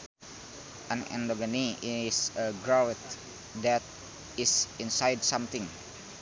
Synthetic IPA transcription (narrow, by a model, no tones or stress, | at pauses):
ʔãnɛ̰̃ndoɡəniisəɡɹawt̪̚ | dɛt̪̚ | isĩnsajdsamt̪ɪ̃ŋ